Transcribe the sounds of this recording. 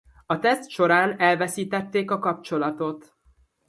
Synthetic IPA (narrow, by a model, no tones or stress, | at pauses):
ɒt̪ɛst̪ʃo̞ɾaːnɛlvɛsiːt̪ɛt̪ːeːkɒkɒp̚t͡ʃo̞lɒt̪o̞t̪